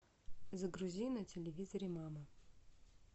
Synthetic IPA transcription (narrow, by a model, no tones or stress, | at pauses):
zɐɡɾuzʲinɐtʲelʲɪvʲizɐɾʲɪmamɐ